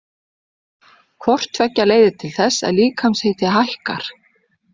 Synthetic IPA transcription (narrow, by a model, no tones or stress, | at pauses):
kʰvɔr̥t̪ʰvɛcːaleːjðɪt̪ʰɪlθɛsːɛ̰ðliːkʰamsheːjt̪ɪɦajhka̰ɾ̥